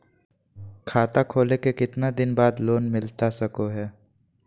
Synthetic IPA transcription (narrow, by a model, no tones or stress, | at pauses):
kʰaːt̪akʰoːlekekɪt̪nad̪ɪnbaːd̪loːnmɪlt̪asɐkoɦɛː